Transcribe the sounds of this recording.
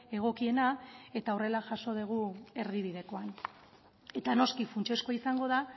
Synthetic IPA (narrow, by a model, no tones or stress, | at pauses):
e̞ɣ̞o̞kie̞nae̞t̪aore̞laʝaso̞ð̞eɣ̞ue̞ɾðiβið̞e̞ko̞an | e̞t̪ano̞skifunt͡ʃe̞sko̞isaŋɡo̞ð̞a